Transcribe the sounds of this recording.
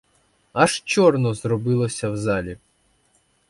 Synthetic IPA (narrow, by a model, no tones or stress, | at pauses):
ɐʃt͡ʃɔrnɔzrɔbɪlˠɔsʲɐwzɑlʲi